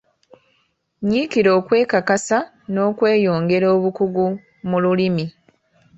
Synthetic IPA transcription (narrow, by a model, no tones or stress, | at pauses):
ɲiːkiɾo̞ːkwe̞ːkakasa | no̞ːkwe̞ːjo̞ːŋɡe̞ɾo̞ːβukuɡu | mululimi